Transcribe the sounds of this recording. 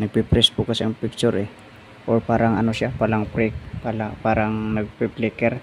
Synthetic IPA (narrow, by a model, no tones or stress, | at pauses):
nɐɡ̚pipɾɛsbukɐsɐŋpik̚t͡ʃʊɾɛ | ʔoɹpaːɾɐŋɐnoʃapalaŋpɾɛk̚palapaːɾɐŋnɐɡ̚piplɛkɛɾ